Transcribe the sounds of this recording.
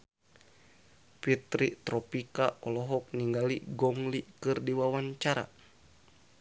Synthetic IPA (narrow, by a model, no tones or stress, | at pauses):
pit̪ɾit̪ɾɔpikaɔlɔɦɔk̚niŋɡaliɡɔŋlikɨrdiwawaɲt͡ʃaɾa̰